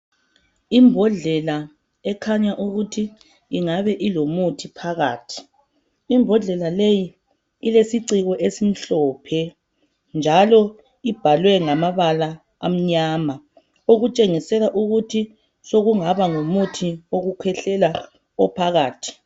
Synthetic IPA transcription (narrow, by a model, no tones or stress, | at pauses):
imbʱɔɮɛla | ɛkʰaɲaʔuɣutʰiː | ŋaβɛʔilomutʰipʰaɣa̰ːtʰi̥ː | mbʱɔɮɛlalejiː | lesiǀiɣɔʔesim̩ɬɔːpʰɛ | nd͡ʒʱalɔ | ib̥ʱalwɛŋamaβala | a̰m̩ɲaːma | oɣut͡ʃʼeŋisɛlaʔuɣutʰi | soɣuŋaβaŋomutʰioɣukʰɛɬɛla | ɔpʰaɣaːtʰi̥